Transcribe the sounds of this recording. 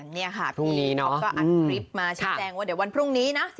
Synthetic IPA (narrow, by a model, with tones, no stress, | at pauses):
ŋni˥˩ɐkʰa˥˩pʰɾu˥˩ŋ˧niː˦˥nɔ˦˥kɔː˥˩a˨ɯː˩˧ɾi˦˥p̚maː˧t͡ɕʰi˦˥˩t͡ɕɛː˧ŋwaː˥˩di˩˦wa˧npʰɾu˥˩ŋniː˦˥na˦˥